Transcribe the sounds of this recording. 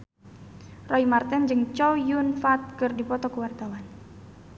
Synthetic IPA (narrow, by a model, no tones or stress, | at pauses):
rɔimart̪ɛnd͡ʒɨŋt͡ʃɔjunfat̪̚kɨrdipɔt̪ɔkəwart̪awan